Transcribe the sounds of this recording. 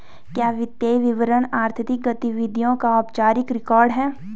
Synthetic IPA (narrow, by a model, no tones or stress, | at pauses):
kjaːʋɪt̪jeːjʋɪʋəɾəɳaːɾt̪ʰət̪ɪk̚ɡɐt̪iʋɪd̪ʱijõkaɔːpt͡ʃaːɾɪkɾɪkɔːɾɖɦɛː